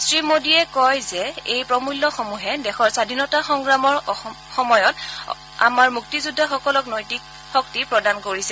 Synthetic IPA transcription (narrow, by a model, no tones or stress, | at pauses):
sɹimodiɛkɔjzɛejpɹɔmulːɔxomuɦɛdɛxɔɹsadʱinɔtaxɔŋɡɹamɔɹ | xɔmɔjɔt | a̰maɹmuktizudʱːaxɔkɔlɔknɔjtik̚ | xɔk̚tipɹɔdankoɹisɛ